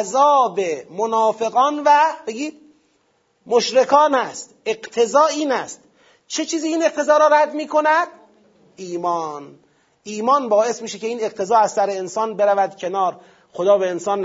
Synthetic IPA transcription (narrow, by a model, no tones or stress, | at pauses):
zɒːbemonɒːfe̞ɣɒːnvæb̥e̞ɡiːd̪̥ | moʃɾekʰɒːnæst̪ʔe̞ɢt̪ʰe̞zɒːiːnæst̪ | t͡ʃʰet͡ʃʰiːziːiːneq̚t̪ʰe̞zɒːɾɔːɾæd̪miːkʰo̞næd̪ | ʔiːmɒːn | ʔiːmɒːnbɒːe̞smiːʃecʰe̞iːne̞q̚t̪ʰe̞zɒːæzsæɾeensɒːnbe̞ɾævæd̪cʰe̞nɒːɾ | xod̪ɒːbeensɒːnː